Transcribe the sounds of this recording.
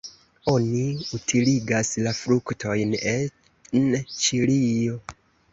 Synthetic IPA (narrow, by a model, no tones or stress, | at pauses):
o̞niutʰiliɡaslafɾuktʰo̞jne | nt͡ʃilijo̞